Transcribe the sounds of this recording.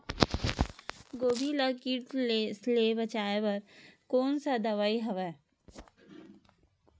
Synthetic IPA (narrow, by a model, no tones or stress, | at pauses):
ɡoːbʱiləkiːʈslebət͡ʃaːepəɾkoːnsad̪əʋaiɦəʋɛː